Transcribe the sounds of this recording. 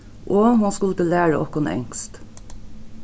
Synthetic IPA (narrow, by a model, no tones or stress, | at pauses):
ʔoːhʊnskʉlət̪ɪlæːɹəʔɔkʊnɛ̰ŋst̪